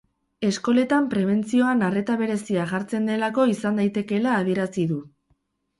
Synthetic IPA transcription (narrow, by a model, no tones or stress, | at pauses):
e̞sko̞le̞t̪ampɾe̞β̞e̞nt͡sio̞anare̞t̪aβe̞ɾe̞siaʝaɾt͡se̞nd̪e̞lako̞isand̪ajt̪e̞ke̞laːð̞ie̞ɾasiðu